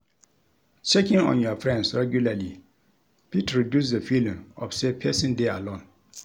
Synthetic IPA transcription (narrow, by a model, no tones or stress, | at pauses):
t͡ʃʰekɪ̃ŋɔ̰̃njɔfɹɛ̃nsɹɛɡjulali | pʰitʰɹidjus̬dəfilĩmɔ̰fsepʰɛsĩndealõn